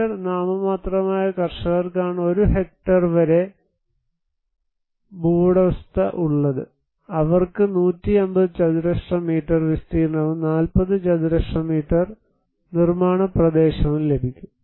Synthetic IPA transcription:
ɐrnaːmɐmaːt̪rɐmaːjɐkɐrʂɐɣɐrkaːɳɨo̞ɾuɦe̞k̚ʈɐrʋɐɾe̞ | buːɽɐʋɐst̪ɐʔuɭːɐðɨ̰ | ɐʋɐrkɨnuːtːiembɐðɨt͡ɕɐðuɾɐʂʂɐmiːʈːɐrʋist̪iːɾnːɐʋɨnaːlpɐðɨt͡ɕɐðuɾɐʂʂɐmiːʈːɐr | nirmaːɳɐprɐd̪eːɕɐmile̞bʱikʲːum

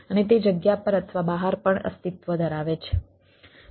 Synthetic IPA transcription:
ənet̪̬ed͡ʒəɡjapəɾət̪ʰəʋabəɦaɾpəɳə̰st̪it̪ʋəd̪ʱəɾaʋet͡ʃʰe̥

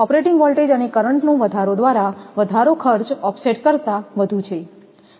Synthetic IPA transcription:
ɔpɾeʈiŋɡʋɔlʈed͡ʒənekəɾəɳʈnũʋəd̪ʱaɾod̪ʋaɾaʋəd̪ʱaɾokʰəɾt͡ʃɔpseʈkəɾt̪aʋəd̪ʱũt͡ʃʰe

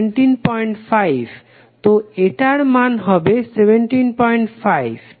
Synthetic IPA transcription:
ɳʈinpɔjɳʈfajbʱ | t̪oeʈaɾmanɦɔbesebeɳʈinpɔjɳʈfajb

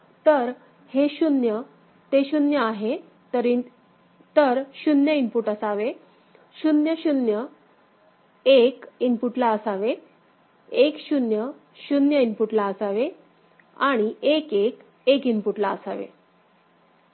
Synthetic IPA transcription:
t̪əɾ | heɕunjə | t̪eɕunjəaɦe | t̪əɾi | t̪əɾɕunjəimpuʈəsaʋe | ɕunjəɕunjə | ekinpuʈlaəsaʋe | ekɕunjə | ɕunjəimpuʈlaəsaʋe | aɽ̃iekek | ekinpuʈlaəsaʋḛ

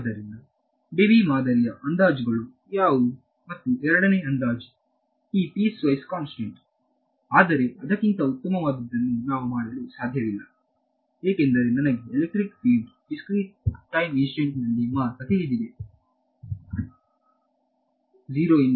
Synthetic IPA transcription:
d̪ɐɾind̪ɐ | ɖebimaːd̪ɐɾijɐʔɐnd̪aːd͡ʒuɡɐɭu | jaːʋu | mɐt̪ːuʔɛɾɐɽɐneːɐnd̪aːd͡ʒu | iːpisʋɐjskaːnsʈeɳʈ | aːd̪ɐɾe̞ɐd̪ɐkːint̪ɐut̪ːɐmɐʋaːd̪ɐd̪ːɐnːunaːʋumaːɽɐlusaːd̪ʱjɐʋilːɐ | eːkend̪ɐɾenɐnɐɡeːlek̚ʈɾikpiːɖɖiskɾiːʈ̚ʈːɐjminsʈeɳʈnɐlːimaːɾt̪ɐt̪elid̪id̪e | d͡ʒiːɾoːin

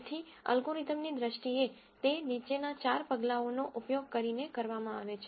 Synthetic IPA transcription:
t̪ʰiə̰lɡuɾit̪əmnid̪ɾəʃʈie | t̪enit͡ʃenat͡ʃaɾpəɡlaonoʔupjoɡ̚kəɾinekəɾʋamãaʋet͡ʃʰ

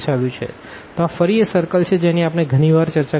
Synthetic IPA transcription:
ʃaʋjũt͡ʃʰḛ | t̪oafəɾiesəɾkəlt͡ʃʰed͡ʒeniapneɡʱəñiʋaɾt͡ʃəɾt͡ʃa

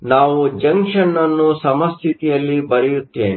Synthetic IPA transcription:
naːʋud͡ʒɐŋkʂɐnːɐnːusɐmɐst̪ʰit̪ijɐlːibɐɾɛjut̪ːḛːni

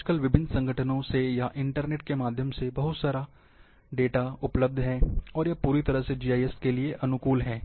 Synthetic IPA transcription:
d͡ʒkəlʋɪbʱɪnsɐ̃ŋɡʱəʈʰənõsejaʔɪ̃ɳʈəɾneːʈ̚kemaːd̪ʱjəmsebɐɦʊt̪saːɾa | ɖeːʈaʊpləb̚d̪ʱɦɛ̃ːɔːɾjapuːɾit̪ɐɾəɦsed͡ʒiːaːjɛskelieʔɐnʊkuːlɦɛ̃ː

